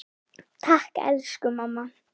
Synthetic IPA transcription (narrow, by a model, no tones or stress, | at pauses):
t̪ʰahkɛ̰lʃkʊmamːa